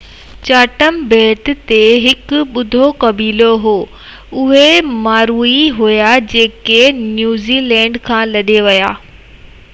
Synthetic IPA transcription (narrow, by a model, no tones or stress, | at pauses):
t͡ɕaːʈəmbeːt̪ɪ̆t̪eɦɪkʊɓʊd̪ʱokɐbiːloɦoː | ʊɦemaːɾuiɦʊjad͡ʑeːkenjuːzilɛ̃ːɳɖkʰãːlɐɗeʋɐjaː